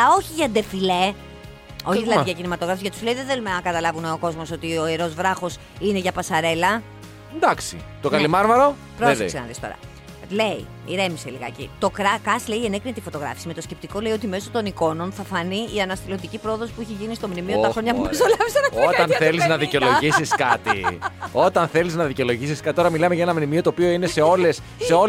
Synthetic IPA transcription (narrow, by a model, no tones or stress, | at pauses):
o̞çiʝɐd̪e̞file | o̞çiðilɐʝɐcinimɐt̪o̞ɣɾɐfizʝɐt̪u̥sleiðeθe̞lumɐkɐt̪ɐlɐvuneoko̞zmo̞so̞t̪io̞eɾo̞zvɾɐxo̞s | ine̞ʝɐpɐsɐɾe̞lɐ | nd̪ɐksḭt̪okɐlimɐɾvɐɾo̞ | pɾossenɐ̰ðist̪o̞̰ɾɐ̰ | leḭ | iɾe̞miseliɣɐ̰cḭt̪o̞kɾɐkɐsle̞ienekɾinet̪ifo̞t̪o̞ɣɾɐ̰fi̥sime̞t̪osce̞p̚t̪iko̞le̞io̞t̪ime̞so̞t̪o̞niko̞no̞nθɐfɐniiɐnɐst̪ilot̪icipɾo̞ðo̞si̥puiçiʝinist̪omnimioɐxɾo̞ɲɐpuupsolɐvisenɐot̪ɐnθeliznɐðicolo̞ʝisiskɐt̪ḭot̪ɐnθe̞liznɐðiceo̞lo̞ʝisiskɐt̪it̪oɾɐmilɐmeʝɐenɐmnimio̞t̪oːpio̞ine̞seo̞lesːeo